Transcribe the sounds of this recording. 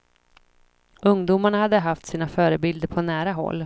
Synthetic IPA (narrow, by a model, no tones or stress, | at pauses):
ɵŋd̪uːmaɳahad̪ːəɦaft̪siːnafœːɾəbɪld̪əɾpʰɔnæːɾaɦɔ̰lː